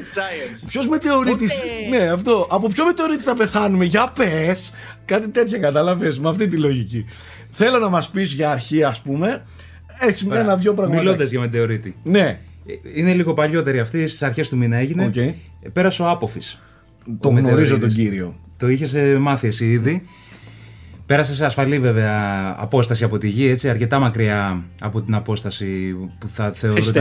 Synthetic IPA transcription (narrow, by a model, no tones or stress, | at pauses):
pço̞zmet̪e̞o̞ɾit̪isne̞ɐft̪o̞ʔɐpopço̞met̪e̞o̞ɾit̪iθɐpe̞θɐnumeʝɐpes | kɐt̪it̪e̞t̪çɐkɐt̪ɐlɐvesmɐft̪it̪ilo̞ʝici | θe̞lo̞nɐmɐspisʝɐːɾçiɐspume̞ | eçsimɐnɐvʝo̞pɾɐɣmilond̪ɐzʝɐmed̪eo̞ɾit̪ine̞ | ine̞liɣo̞pɐʎo̞t̪e̞ɾiɐft̪ist̪i̥sɐɾçe̞st̪uminɐeʝinece | pe̞ɾɐseo̞ɐpo̞fis | t̪omeɣnoɾizot̪oɟiɾio̞t̪o̞içesemɐθiesiiði | pe̞ɾɐse̞s̬eɐsfɐlive̞ve̞ɐ̰ːpo̞st̪ɐsiɐpo̞t̪iʝie̞t͡siɐɾce̞t̪ɐmɐkɾiɐːpo̞t̪inɐpo̞st̪ɐsipuθɐθe̞oɾo